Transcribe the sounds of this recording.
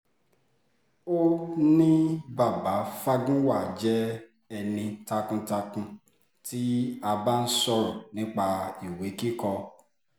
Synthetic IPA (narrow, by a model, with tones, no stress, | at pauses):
o˦nĩ˦ba˦˨ba˨˦fa˧ɡũ˦wa˦˨d͡ʒɛ˦ | ɛ˧nĩ˧ta˧kũ˧ta˧kũ˧ | ti˦a˧ba˦n̩˦sɔ˧ɾɔ˨nĩ˦k͡pa˧i˨we˨˦ki˦kɔ˧